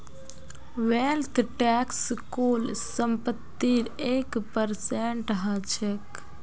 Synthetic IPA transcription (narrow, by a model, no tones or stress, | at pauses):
ʋelt̪ʰʈɛkskulsəmpət̪ːiɾekpəɾseɳʈɦət͡ʃʰek